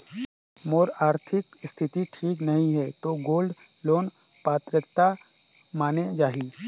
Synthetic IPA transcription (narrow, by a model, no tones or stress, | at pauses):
moːɾaːɾt̪ʰɪkst̪ʰɪt̪iʈʰiːknɐɦĩɦɛt̪oɡoːlɖ | loːn | paːt̪ɾəkt̪a | maːned͡ʒaːɦi